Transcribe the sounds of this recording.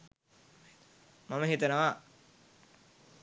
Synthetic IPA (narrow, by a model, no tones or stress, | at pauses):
mɐməɦit̪ɐnɐʋa